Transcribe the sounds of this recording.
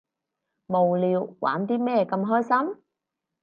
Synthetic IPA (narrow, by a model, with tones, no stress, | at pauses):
mo˨˩wliː˨˧wwa̰ː˨˥nt̪iː˥mɛː˥˩kɐ˧mɦɔː˥jsɐ˥m